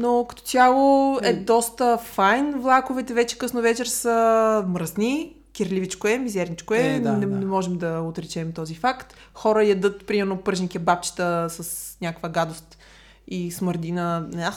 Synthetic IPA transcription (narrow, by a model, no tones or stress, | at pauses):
nokɐ̥t̪ɔ̥t̪ʲjalˠoɛd̪ɔst̪əfajnvlˠakovɛt̪ɛvɛt͡ʃɛ̥kəsnovɛt͡ʃɛɾsəmɾəzni | kʲɛɾlʲivit͡ʃkoɛmizɛɾnit͡ʃkoɛnɛnɛmɔʒɛmd̪ɐot̪ɾɛt͡ʃɛmt̪ɔzifakt̪ | xɔɾəjɐd̪ɤt̪pɾimɛɾnopɤɾʒnikiɛbap̚t͡ʃi̥t̪əsɐsnʲjakkvəɡad̪ost̪ | isməɾd̪inəna